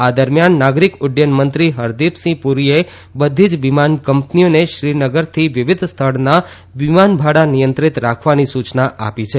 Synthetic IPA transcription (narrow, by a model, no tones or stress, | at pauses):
ad̪əɾmjanːaɡɾikʊɖjənmənt̪ɾiɦəɾd̪ipsĩpuɾie | bəd̪ʱid͡ʒʋimankəmpnioneʃɾinəɡəɾt̪ʰiʋɪʋid̪ʱst̪ʰəɭna | ʋimanbʱaɽanijənt̪ɾit̪ɾakʰʋanisut͡ʃnaʔa̰pit͡ʃʰe